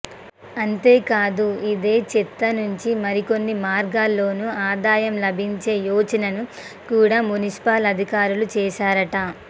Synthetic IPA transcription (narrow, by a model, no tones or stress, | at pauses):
ɐnt̪e̞ːkaːd̪uid̪e̞ːt͡ʃit̪ːɐnuɲt͡ʃimɐɾiko̞nːimaːɾɡaːlːo̞ːnuaːd̪aːjɐmlɐbʱiɲt͡ʃe̞ːjoːd͡ʒɐnɐnu | kuːɽaːmunisi̥paːlɐd̪ʱikaːɾulut͡ʃɛːʃaːɾɐʈɐ